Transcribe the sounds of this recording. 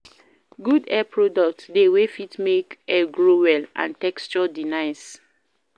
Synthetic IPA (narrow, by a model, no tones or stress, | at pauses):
ɡudɛpɹɔdɔk̚tdewefitmekɛɡɹowɛlʔã̰ntɛkst͡ʃɔdinãjs